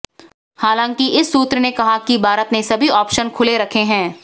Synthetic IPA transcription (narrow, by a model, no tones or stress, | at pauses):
haːlãːŋkiʔɪsːuːt̪ɾənekɐɦakibʱaːɾət̪nesɐbʱiɔːpʃənkʰʊleɾɐkʰeɦɛ̃ː